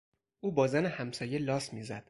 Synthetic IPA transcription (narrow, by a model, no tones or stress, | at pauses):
ʔuːbɒːzænehæmsɒːje̞lɒːsmiːzæd̪̥